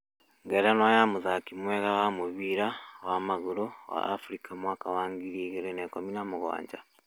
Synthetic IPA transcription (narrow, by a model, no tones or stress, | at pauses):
ŋɡeɾanojaːmuzakimweːɣaɣamuβiːɾawaːmaɣulowa̰ːfuɾikʰamwaːkawaːŋɡiɾiːɣeɾeneːkominamuɣwa̰ːɲɟa